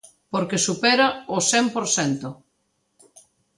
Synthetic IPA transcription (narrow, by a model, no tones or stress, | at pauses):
poɾkesupɛɾaʊsempoɾθɛnt̪ʊ